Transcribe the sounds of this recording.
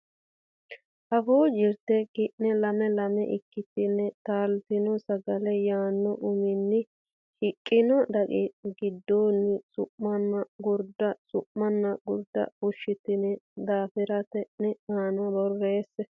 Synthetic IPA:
ʔɐfoːd͡ʒɪɾt̪ːɛɡɪʔnɛlɐmɛlɐmɛʔɪkːɪt̪ːɪnːɛt̪aːlt̪ɪnɔsɐɡɐlɛjaːnːɔʔʊmɪnːɪ | hɪkʼːɪnɔd̪ɐkʼɪɡɪd̪ːoːnːɪsʊʔmɐnːɐɡʊɾd̪ɐsʊʔmːɐnːɐɡʊɾd̪ɐ̰ʊʃːɪt̪ːɪnɛd̪aːfɪɾɐt̪ɛʔnɛaːnɐbɔrːeːsɛ

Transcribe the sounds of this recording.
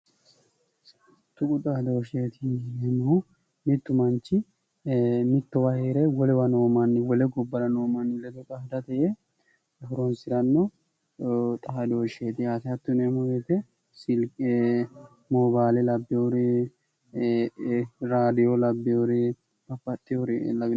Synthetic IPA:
t̪ːʊkʼʊt̪ʼɐhd̪oːʃeːt̪ʰɪneːmɐhʊ | mɪt̪ːʊmɐnt͡ʃːɪ | mɪt̪ːɔwɐheːɾɛwɔlɛwɐnoːmɐnːɪwɔlɛɡɔbːɐɾɐnoːmɐnɪlːɛd̪ɔt̪ʼɐhɐd̪ɐt̪ɛʔe | hʊɾɔnsɪɾɐnːɔ | t̪ʼɐhɐd̪oːʃeːt̪ɪɐt̪ɪɐt̪ːʊneːmɔbeːt̪ɛ | sɪl | mobaːlɛlɐbːɛʊɾɛ | ɾaːd̪ɪjɔlɐbːɛjoɾɛ | bɐpːɐt̪ʼːɪjɔɾɪḛːlːɐɡɪ

